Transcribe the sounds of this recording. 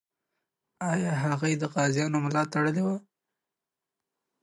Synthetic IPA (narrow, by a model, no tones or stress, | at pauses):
ɑjɑɦaɣajd̪əqɑzjɑnomlɑt̪aɽəlewa